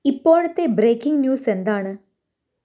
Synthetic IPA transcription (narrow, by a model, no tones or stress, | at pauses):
ipːo̞ːɭɐt̪ːe̞bɾeːkːiŋɡnjuːse̞nd̪aːɳɨ